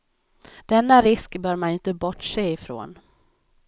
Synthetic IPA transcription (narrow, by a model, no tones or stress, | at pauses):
d̪̥ɛnːaɾɪskbœːɾmanɪnt̪əbɔʈʂeːɪfɾo̰ːn